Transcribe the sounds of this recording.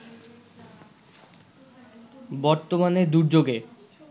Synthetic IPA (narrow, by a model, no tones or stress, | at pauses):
bɔɾt̪omaneɾd̪uɾd͡ʑoɡe